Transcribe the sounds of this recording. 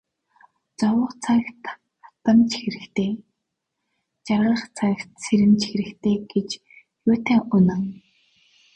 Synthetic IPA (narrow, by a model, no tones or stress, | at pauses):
t͡sɔwə̆χt͡sʰakt̪ | χḁt̪ə̆mt͡ɕʰxɘɾɘ̆xt̪ʰeː | t͡ɕarʁə̆χt͡sʰakt̪sʰeɾɘ̆mt͡ɕʰxɪ̆ɾɘ̆xt̪ʰeːɡet͡ɕ | jʊːt̪ʰæːŋʔʊnə̆ŋ